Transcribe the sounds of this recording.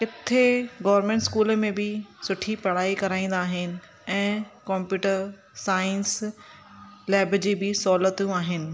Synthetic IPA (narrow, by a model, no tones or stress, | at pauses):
kɪt̪ʰeɡɐːʋɾmẽːɳʈskuːləmẽbɪsʊʈʰipɐɽ̤aːikɐɾaːĩːn̆d̪aːɦɪnɪ̆ | ɛ̃ːkɔ̃ːmpjuːʈəɾ | saːɪns | lɛːbd͡ʑiːbɪsɔːlət̪jũaːɦɪnɪ̆